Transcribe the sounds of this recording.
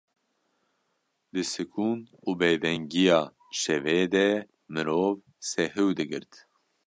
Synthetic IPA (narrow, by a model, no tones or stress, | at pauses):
d̪ɨsɨkʰuːn | uːbeːd̪ɛŋɡijɑː | ʃɛveːd̪ɛ | mɨɾoːv | sɛɦɨwd̪ɨɡɨɾt̪